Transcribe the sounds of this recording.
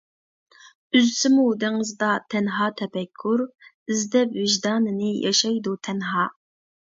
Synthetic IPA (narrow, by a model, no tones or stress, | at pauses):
yzsɪmud̪ɪŋəzd̪ɑt̪ʰɛnɦɑːt̪ʰɛpɛkʲʰːuɾ | ɨzd̪ɛpvɪʒd̪ɑːnɨnɪjʔɑ̰ʃɑjd̪ut̪ʰɛnɦɑː